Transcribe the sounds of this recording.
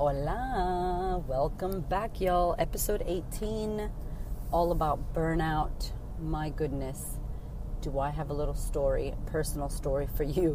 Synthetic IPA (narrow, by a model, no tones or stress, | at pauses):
ola | wɛlˠkə̃mbækʰjɔlˠɛpɨsoʊɾeɪtʰĩn | ɔlˠəbaʊt̚b̥ɜ̃˞naʊt̚ | maɪɡʊdⁿnɨs | d̥əaɪɨvəlɪɾl̩ˠstɔɹḭpʰɜ˞sn̩l̩ˠstɔɹifə˞jʉ